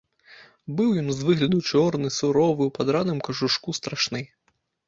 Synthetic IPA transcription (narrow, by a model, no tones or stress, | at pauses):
bɨwjɔnzʋɨɣlʲɐd̪ut͡ʃɔrnɨsuɾɔvɨwpad̪ɾanɨmkɐʐuʂkust̪ɾaʂnɛj